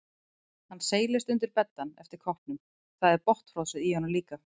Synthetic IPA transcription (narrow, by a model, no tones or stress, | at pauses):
hanːseːjlɪst̪ʏnt̪̬ɪɾpɛt̪ːanɛft̪ɪɾ̥kʰɔhpnʏm | θaðɛɾpɔht̪fr̥ɔsʏðihɔnaliːka